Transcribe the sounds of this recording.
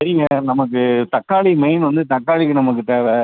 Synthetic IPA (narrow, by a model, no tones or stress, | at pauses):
sɐɾɪŋɡɐnɐmɐk̬ːɯt̪ɐkːaːɭimɐɪnʋɐnd̪ɯt̪ɐkːaːɭik̬ːɯnɐmːɐkːɯʈːeːʋɐ